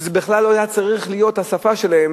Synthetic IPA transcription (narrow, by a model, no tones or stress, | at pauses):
zebiχlalːo̞ajat͡saʁiχlijo̞t̪hasafaʃelaem